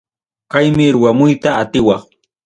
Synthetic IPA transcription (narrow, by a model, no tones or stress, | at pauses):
kajmɪɾʊwamʊjt̪aːt̪ɪwɑχ